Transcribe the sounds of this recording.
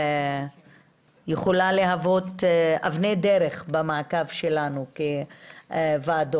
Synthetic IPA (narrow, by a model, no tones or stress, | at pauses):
jeχolaleɦavo̞t̪avned̪eɾeχbamakavʃelanuke | vaːd̪o